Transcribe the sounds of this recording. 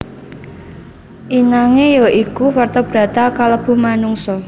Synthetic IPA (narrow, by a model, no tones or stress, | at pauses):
ʔinaŋejɔʔikufart̪ɔb̥ɾä̤t̪akaləb̥ṳmanuŋsɔ